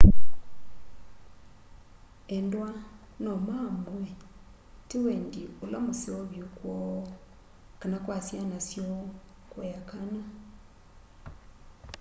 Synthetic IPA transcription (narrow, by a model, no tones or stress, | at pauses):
ɛndwa | nɔmamwɛ | tewɛndiolamoseɔβjokwɔɔ | kanakwasjanasjɔ | kwɛjakana